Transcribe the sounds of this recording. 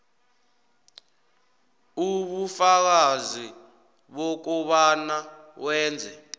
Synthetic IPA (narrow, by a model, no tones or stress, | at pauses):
uɓufak̬azi | ɓok̬ɔɓana | wɛːnd͡zʱɛ